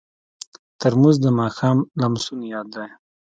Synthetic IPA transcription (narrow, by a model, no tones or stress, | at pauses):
t̪əɾmuzd̪əmɑxɑmlamsunjɑd̪ːaj